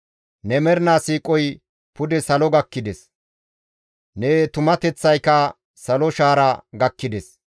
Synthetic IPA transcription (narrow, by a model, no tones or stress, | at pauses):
nɛmɛɾnaːsiːkʼɔj | pʊd̪ɛsɐlɔɡɐkːɪd̪ɛs | neːt̪ʊmɐt̪ɛt͡sːɐjkɐ | sɐlɔʃaːɾɐɡɐkːɪd̪ɛs